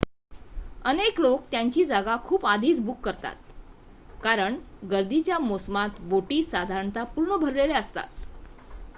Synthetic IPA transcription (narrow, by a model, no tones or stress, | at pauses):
əneklok̚t̪jaɲt͡ɕiːd͡zaɡakʰuːpad̪ʱiːt͡sbukːəɾt̪a̰t̪̚ | kaɾəɳɡəɾd̪it͡ɕjamosmat̪boʈiːsad̪ʱaɾəɳt̪apuɾɳəbʱəɾleleəst̪a̰t̪